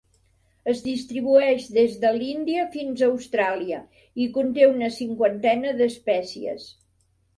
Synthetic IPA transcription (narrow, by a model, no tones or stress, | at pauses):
əzðist̪ɾiβ̞uɛʃðezðəlind̪iəfinzəwst̪ɾaliə | ikunt̪eunəsiŋkwənt̪ɛnəðəspɛsiə̰s